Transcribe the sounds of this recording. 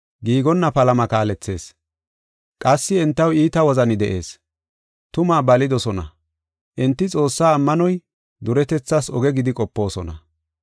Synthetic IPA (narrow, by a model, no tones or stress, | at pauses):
ɡiːɡɔnːɐpɐlɐmɐkaːlɛt͡sːe̞̰ːs | kʼɐsːɪɛnt̪ːɐwiːt̪ɐwɔzɐnɪd̪ɛ̰ʔe̞̰ːs | t̪ʊmaːbɐlɪd̪ɔsɔnɐ̰ | ʔɛnt̪ːɪt͡sʼo̞ːsːaːmːɐnɔj | d̪ʊɾɛt̪ɛt͡sːasɔɡɛɡɪd̪ɪkʼɔpːo̞ːsɔnɐ̰